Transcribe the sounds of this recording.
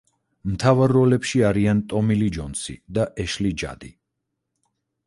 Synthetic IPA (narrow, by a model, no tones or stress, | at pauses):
mt̪ʰavaɾːɔlɛpʃiaɾiant̪ʼɔmilid͡ʒɔnsḭd̪aʔɛʃlid͡ʒa̰d̪i